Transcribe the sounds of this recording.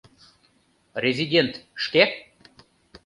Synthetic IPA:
rʲezʲidʲent̪ʃke

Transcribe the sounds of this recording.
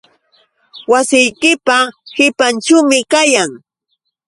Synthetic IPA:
wasɪjkɪpahɪpant͡ʃʊmɪkajaŋ

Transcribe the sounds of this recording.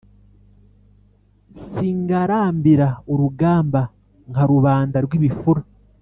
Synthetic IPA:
siŋɡaɾaːmbiɾaoɾuɡaːmba | ŋhaɾuβaːndaɾɡwiβifuɾa

